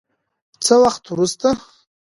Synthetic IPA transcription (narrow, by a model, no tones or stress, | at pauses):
t͡sʰɨlaχtʰuɾɨstʰʼa